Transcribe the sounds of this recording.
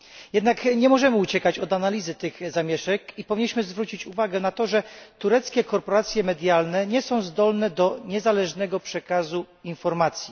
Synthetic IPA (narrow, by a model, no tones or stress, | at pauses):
jɛd̪nakɲɛmɔʐɛmɘut͡ɕɛkat͡ɕɔd̪analʲizɘt̪ɘɣzamʲjɛʂɛkipɔvʲiɲːiɕmɘzvɾut͡ɕit͡ɕuvaɡɛnat̪ɔʐɛt̪uɾɛt̪skʲɛkɔɾpɔɾat̪sʲjɛmɛd̪ʲjalnɛɲɛsɔ̃w̃zd̪ɔlnɛd̪ɔɲɛzalɛʐnɛɡɔpʂɛkazu | infɔɾmat̪sʲji